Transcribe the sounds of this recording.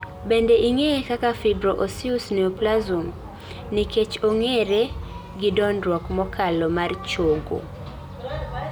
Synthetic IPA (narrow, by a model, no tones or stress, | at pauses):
bendeʔiŋekakafibɾoʔosiusneoplazum | niket͡ʃoŋeɾe | ɡɪdɔnɾwɔkmɔkʰalɔmart͡ʃoɡo̰